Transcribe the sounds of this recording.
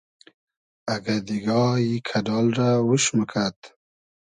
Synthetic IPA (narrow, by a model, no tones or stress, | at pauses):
aɡad̪iɡɑjikʰaɖɑlɾawəʃməkʰat̪